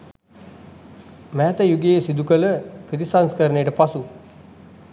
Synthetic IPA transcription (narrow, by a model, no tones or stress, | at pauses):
mæːt̪əjuɡeesid̪ukələpɾəit̪isanskəɾənejəʈəpasu